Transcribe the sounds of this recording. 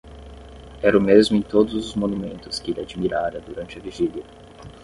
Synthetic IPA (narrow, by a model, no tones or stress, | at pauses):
ɛɾɐʊmezmʊẽj̃t̪od̪ʊzʊzmonumẽnt̪ʊskɪelʲad͡ʒmiɾaɾɐd̪uɾɐ̃nt͡ʃɪɐviʒiljiɐ